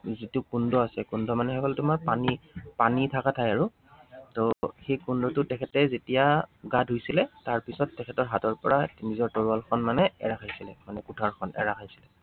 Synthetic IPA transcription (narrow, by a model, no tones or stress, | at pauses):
zitʊkundɔasɛkundʱɔmanɛxɛkɔlɛtʊmaɹpanipanitʰakatʰajaɹʊ | tɔxejkundɔtʊtɛkʰɛtɛzetijaɡadʱojsilɛtaɹpisɔtːɛkʰɛtɔɹɦatɔɹpɔɹanizɔɹtɔɹualkʰɔnmanɛɛ̰ɹakʰajsilɛ̰manɛkutʰaɹkʰɔnɛ̰ɹakʰajsi̥lɛ